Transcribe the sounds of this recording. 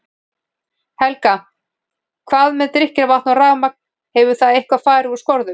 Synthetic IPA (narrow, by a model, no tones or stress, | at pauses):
hɛlka | kʰvaːðmɛðt̪ɾɪhcɪɾavaht̪nawraːɣmak̚n̥ | hɛvʏ̥θaðejhkvaðfaːjɾɪu̥skɔɾðʏm